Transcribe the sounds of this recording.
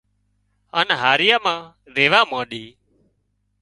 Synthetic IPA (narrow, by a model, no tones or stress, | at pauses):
aːnɦaːɾɪjaːmãː | ɾeːʋaːmãːɗiː